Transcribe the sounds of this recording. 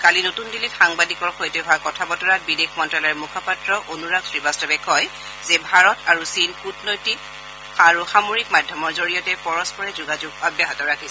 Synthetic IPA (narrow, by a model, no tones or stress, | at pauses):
kalinotundilitxaŋbadikɔɹxojtɛɦɔwakɔtʰabɔtɔɹat̚bidexʰmɔntɹalɔɛɹmukʰapatɹɔʔonuɹaɡsɹibastɔbɛkʰɔj | zɛbʱaɹɔtaɹusinkutʰnojtik | aɹuxamoɹikmadʱjɔmɔɹzoɹijɔtɛpɔɹɔspɔɹɛzuɡazuɡabjaɦɔtɔɹakʰis